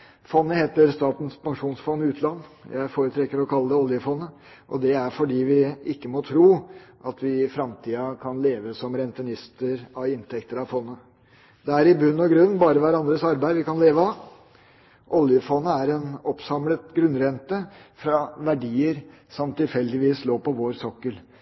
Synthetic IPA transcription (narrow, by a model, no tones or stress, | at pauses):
fɔnːəheːt̪əɾst̪ɑːt̪n̩spɑŋʂuːnsfɔnːɪʉːt̪lɑnːjʔæ̰ɪfoːɾət̪ʰɾɛkːəɾɔkʰɑlːəd̪əɔljəfɔnːə | ʔɔ̰d̪ɛæɾfɔɖiːʋɪɪkːəmɔt̪ʰɾuːʔɑt̪ʰʋɪfɾɑmt̪ʰiːɑkʰɑnleːʋəsɔmɾɛnt̪ənɪst̪əɾɑʋɪnt̪ʰɛkt̪əɾɑʋfɔnːə | d̪ɛæɾɪbʉnːɔɡɾʉnːbɑːɾəʋæɾɑnd̪ɾəsɑɾbæɪʋɪkɑnleːʋəɑʋ | ʔɔljəfɔnːəæɾɛnɔpsɑmlət̪ɡɾʉnːɾɛnt̪əfɾɑʋæɖiːəɾsɔmt̪ɪlfɛlːd̪ɪʋiːsloːpɔʋoːɾsɔkːəl